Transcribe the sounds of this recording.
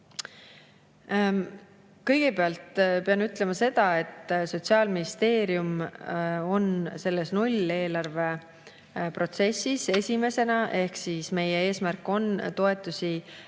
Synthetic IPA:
kɤ̞jɡ̥e̞peɑlt̪peɑnyt̪le̞mɑse̞d̪̥ɑe̞t̪ːso̞t̪ʲsiɑːlminist̪e̞ːɾjum | o̞nse̞lːe̞snulʲe̞ːlɑrve̞ | pro̞t̪se̞sːise̞sʲime̞se̞nɑʔe̞hksiːsme̞jee̞ːsmærkːˑo̞nt̪o̞e̞t̪ːˑusʲi

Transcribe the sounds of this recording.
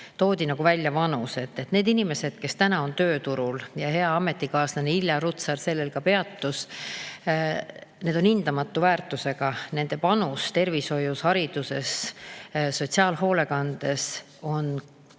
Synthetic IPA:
t̪o̞ːd̪ʲinɑɡ̥uvælʲjɑvɑnuse̞t̪ːet̪ne̞ːd̪inime̞se̞d̪̥ke̞st̪ænɑo̞nt̪ø̞ːt̪uɾuljɑhe̞ɑɑme̞t̪ːˑikɑːsneneilʲjɑɾut̪sɑrse̞lːelkɑpe̞ɑt̪ːus | ne̞d̪̥o̞nind̪̥ɑmɑt̪ːˑuvæːrt̪ːˑuse̞ɡ̥ɑne̞nd̪̥e̞pɑnust̪e̞rviso̞jushɑɾid̪̥use̞s | so̞tʲsiɑːlɦo̞ːle̞kɑnd̪̥e̞s | o̞n

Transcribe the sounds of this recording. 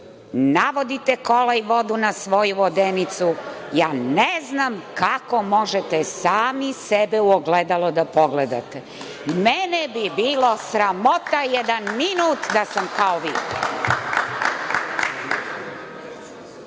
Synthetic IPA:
naʋo̞d̪it̪ekolaiʋo̞d̪unasʋo̞juʋod̪enit̪sujaːneznamkako̞mo̞ʒet̪ɛsaːmisebeuoɡled̪alod̪apoɡled̪a̰t̪e | mɛnebibiːlˠosɾamo̞t̪ajɛd̪anminuːt̪d̪asamkaoʋḭː

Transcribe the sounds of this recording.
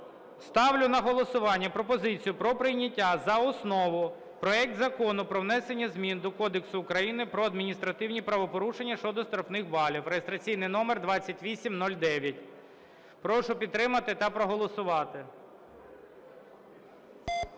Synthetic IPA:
st̪ɑwlʲʊnɐɦɔlˠɔsʊʋɑnʲːɐpɾɔpɔzɪt͡sʲijʊpɾɔpɾɪjnʲɐtʲːazɐɔsnɔʋʊ | pɾɔɛk̚td̪zɐkɔnʊpɾɔwn̪ɛse̞nʲːɐzmʲind̪ɔkɔd̪eksʊːkɾɐjinɪpɾɔɐd̪mʲinʲist̪ɾɐt̪ɪwnʲipɾɐʋɔpɔɾuʃenʲːɐʃt͡ʃɔd̪ɔst̪ɾɔfnɪxʋɑlʲiwɾejest̪ɾɐt͡sʲijnɪjnɔmerd̪ʋɑt͡sʲːɐtʲʋʲisʲimnɔlʲd̪ɛʋʲjɐtʲ | pɾɔʃʊpʲid̪t̪ːɾɪmɐt̪ɪt̪ɐpɾɔɦɔlˠɔsʊʋɑt̪ɪ

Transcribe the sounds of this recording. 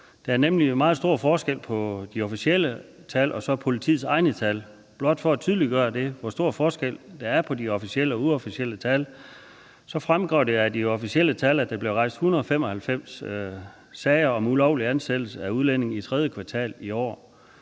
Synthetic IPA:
d̥ɑ̈æɐnemlimɑ̈ːð̩ˠsd̥o̝ɐ̰fɒːsɡ̥el̰pʰɒ̽d̥iɒfisiel̰ə | t͡sʰælʔɒ̽sɒ̽pʰo̝lit͡sʰḭːð̩ˠsɑ̈ɪnət͡sʰæl | b̥lɒ̽d̥fɒ̽æt͡sʰyðˠliɡ̥ɶːɐd̥e̝ʋɒsd̥o̝ɐ̰fɒːsɡ̥el̰d̥ɑæɐpʰɒ̽diɒ̽fisiel̰əɒ̽uɒfiɕiel̰ət͡sʰæl | sɒ̽fʁamɡ̥ʁɒ̰ʊd̥e̝ædiɒ̽fisiel̰ət͡sʰælæd̥eb̥le̝ʊʁɑ̈ɪ̰sd̥hunɐðˠɒfem̰ɒ̽hælfem̰s | sɛɪɐɒ̽mulɒʊ̰liænsed̥l̩səæuð̞ˠlen̰e̝ŋ̩it͡sʰʁɛð̞ˠjəkʰʋɑ̈t͡sʰɛ̰ːliɒ̰ː

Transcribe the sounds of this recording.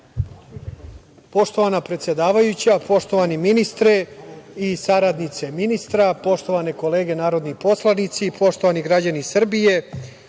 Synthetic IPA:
po̞ʂt̪o̞ʋanapɾe̞t̪sje̞d̪aːʋajut͡ɕapo̞ʂt̪o̞ʋaniminist̪ɾeisaɾad̪nit̪se̞minist̪ɾapo̞ʂt̪o̞ʋaneko̞leːɡe̞naːɾo̞d̪nipo̞slˠanit̪sipo̞ʂt̪o̞ʋaniɡɾad͡ʑanisr̩bije̞

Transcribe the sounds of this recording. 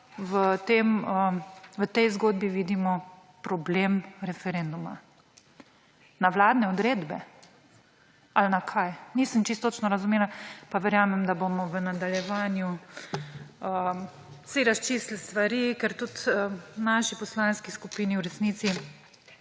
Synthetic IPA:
ʋət̪eməʋət̪ɛjzɡoːd̪̚biʋiːd̪imɔ | pɾɔblemɾɛfɛɾend̪uma̰ | naʋlaːd̪nɛɔd̪ɾeːd̪bɛ | alnakʰajnisəmt͡ʃist̪ːoːt͡ʃnɔɾazumeːlapaʋɛɾjaːmɛmd̪abomɔʋənad̪aljɛʋanju | ə | siɾast͡ʃislst̪ʋaɾikɛɾt̪ut̪ənaʃipɔslanskiskupiːniwɾɛsniːt̪si

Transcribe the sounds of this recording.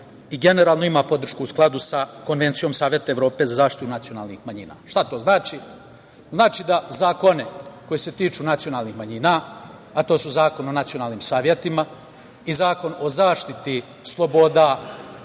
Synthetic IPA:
iɡe̞ne̞ɾaːlˠno̞imaːpo̞d̪r̩ʃkuusklˠad̪usako̞nʋe̞nt̪sijo̞msaːʋʲjet̪aeʋɾo̞ːpe̞zazaːʃt̪i̥t̪unat̪siona̰ːlˠnḭxmaɲḭna̰ːʃt̪at̪o̞ːznaːt͡ʃi | znaːt͡ʃid̪azaːko̞neko̞jese̞t̪iːt͡ʃunat̪sio̞naːlˠnixmaɲina | at̪o̞ːsuzaːko̞nonat̪sijo̞naːlˠniːmsaːʋjet̪ima | izaːko̞no̞zaːʃt̪it̪i | slˠo̞bod̪aː

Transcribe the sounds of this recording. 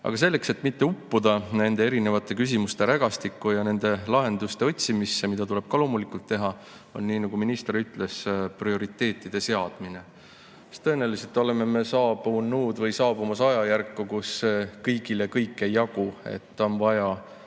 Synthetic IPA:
ʔɑ̰ɡ̥ɑs̬e̞lːe̞kse̞t̪ːˑmit̪ːe̞upːud̪̥ɑne̞nd̪̥e̞e̞ɾine̞vɑt̪ːˑe̞kys̬ʲimust̪e̞ɾæɡ̥ɑst̪ikːˑujɑne̞nd̪̥e̞lɑɦe̞nd̪̥ust̪e̞o̞t̪ʲsimisːemid̪ɑt̪ule̞b̥̚kɑlo̞ːmulikult̪ːe̞ɦɑ | o̞nːiːnɑɡ̥uminist̪eɾyt̪ːˑle̞sprio̞ɾit̪ːˑe̞ːt̪ːˑid̪̥e̞se̞ɑd̪̥mine̞ | st̪ːɤ̞eneliset̪ːˑo̞le̞me̞me̞sɑːb̥unuːd̪vɤjsɑːb̥umɑsɑjɑjærkːukuskɤjɡ̥ile̞kɤjkˑːe̞jːɑɡ̥ue̞̰t̪ːo̞nvɑjɑ

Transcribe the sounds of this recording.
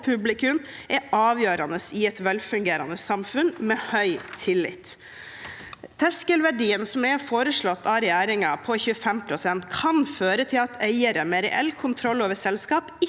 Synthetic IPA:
pʰʉblɪkʉm | ʔɛʔɑːʋjøːɾɑnəsɪɛt̪ʋɛlfʉŋɡeːɾɑ̰nəsɑmfʉnmeːhœʏt̪ʰɪlːɪ̰t̪ | t̪ʰæʂkəlʋæɖiːənsɔmɛfoːɾəʂɭɔt̪ːɑːɾɛjæːɾɪŋɑpʰɔçʉːəfɛmpʰɾʊsɛnt̪kʰɑnføːɾət̪ʰɪlɑt̪ʰæɪəɾəmeːɾɛ̰ʔɛ̰lːkʰʊnt̪ʰɾɔlːoːʋəsɛlskɑːpɪ

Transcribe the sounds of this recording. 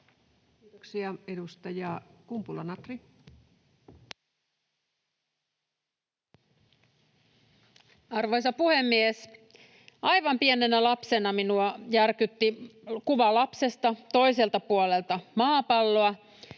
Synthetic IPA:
kiːt̪oksiɑedust̪ɑjɑkumpulɑnɑt̪ri | ɑrʋo̞jsɑpuhe̞mːies | ɑjʋɑmpienenælɑpse̞nɑminuɑjærkyt̪ːikuʋɑlɑpse̞st̪ɑt̪o̞jse̞lt̪ɑpuole̞lt̪ɑmɑːpɑlːo̞ɑ

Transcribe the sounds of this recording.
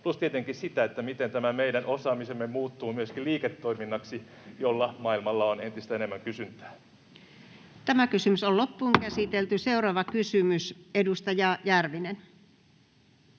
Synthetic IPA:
plust̪iet̪eŋkissit̪æet̪ːæmit̪ent̪æmæmeidænosɑːmisemːemuːt̪ːuːmyøskiliːket̪ːoiminːɑksi | jolːɑmɑilmɑlːɑonent̪ist̪æenemːæŋkysynt̪æ̥ː | t̪æmækysymysollopːuːŋkæsit̪elt̪yseurɑːʋɑkysymysedust̪ɑjɑjærʋinen

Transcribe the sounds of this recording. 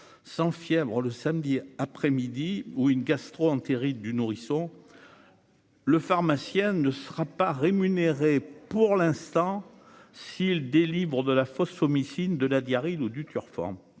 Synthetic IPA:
sɑ̃fjɛvʁələsamd̪iapχɛmid̪iuynɡast̪χoɑ̃t̪eʁidd̪ynuʁisɔ̃ | ləfaʁmasjɛ̃nəsəʁapaʁemyneʁepuʁlɛ̃st̪ɑ̃ | sild̪elivʁəd̪əlafɔsɔmisind̪əlad̪jaʁilud̪yt̪yʁfɔ̰̃

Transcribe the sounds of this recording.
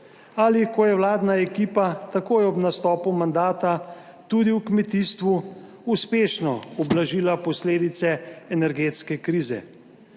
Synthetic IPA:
alikɔjɛwlaːd̪naɛkiːpat̪akoːjɔbnast̪ɔːpumand̪aːt̪a | t̪ud̪iwkmɛt̪iːst̪ʋu | uspeːʃnɔɔblaʒiːlapɔsleːd̪it̪sɛɛnɛɾɡeːt̪skɛkɾiːzɛ̰

